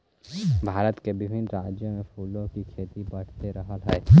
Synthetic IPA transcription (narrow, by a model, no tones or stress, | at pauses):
bʱaːɾət̪kebɪbʱɪnɾaːd͡ʒjomẽpʰuːlõkikʰeːt̪ibəɽ̤t̪eɾəɦəlɦɛː